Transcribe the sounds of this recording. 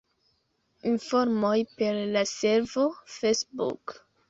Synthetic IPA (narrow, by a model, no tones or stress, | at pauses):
iɱfɔɾmojpeɾlaseɾvofesbṵk